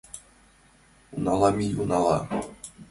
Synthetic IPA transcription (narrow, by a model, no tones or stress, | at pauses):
unalˠamijunalˠɑ̰